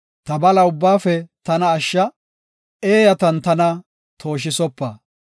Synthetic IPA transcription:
t̪ɐbɐlɐʊbːaːfɛt̪ɐnɐːʃːɐ | ʔeːjɐt̪ɐnt̪ɐnɐ | t̪ʰo̞ːʃ̬ɪsɔpːɐ

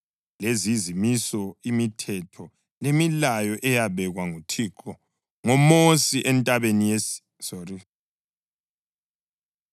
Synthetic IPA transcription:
lezizimisɔimitʰɛtʰɔ | lemilajɔʔɛjaβɛɣwaŋutʰiːǃʰɔ | ŋɔmosiʔɛntʼaβenijɛ | sori

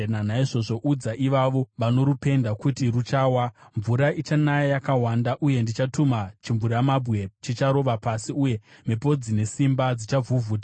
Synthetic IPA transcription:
nanaiʐo̞ʐo̞ʔud͡zaʔiʋaʋo̞ʋano̞ɾupe̞ndakutirut͡ʃaːwaɱvuɾaʔit͡ʃanajajakawandaʔuje̞ndit͡ʃatumat͡ʃiɱvuɾamabɣe̞t͡ʃit͡ʃaɾo̞ʋapasiuje̞mepo̞d͡zine̞simbad͡zit͡ʃavuvuːta

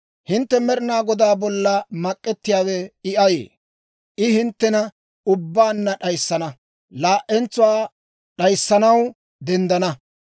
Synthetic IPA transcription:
hɪnt̪ːɛmɛɾɪnaːɡɔd̪aːbɔlːɐmɐkʼːɛt̪ːɪjaːwɛɪʔɐjḛː | ʔɪhɪnt̪ːɛnɐ | ʊbːaːnːɐɗɐjsːɐnɐ | laːʔːɛnt͡sːʊwaː | ɗɐjsːɐnɐw | d̪ɛnd̪ɐnɐ

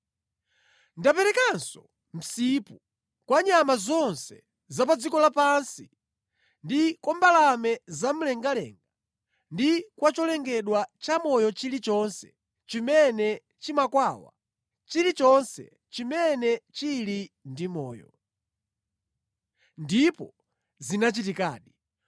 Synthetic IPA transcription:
ndapɛɾɛkansɔ | m̩sipu | kwaɲamazɔnsɛ | zapad͡zikɔlapansi | ndikɔmbalamɛzam̩lɛŋɡalɛ̰ŋɡa | ndikwat͡ʃɔlɛŋɡɛɗwat͡ʃamɔjɔt͡ʃilit͡ʃɔnsɛ̰ | t͡ʃimɛnɛ | t͡ʃimakwaːwa̰ | t͡ʃilit͡ʃɔnsɛ̰ | t͡ʃimɛnɛt͡ʃilindimɔ̰ːjɔ̰ | ndipɔ | zinat͡ʃitika̰ːɗi

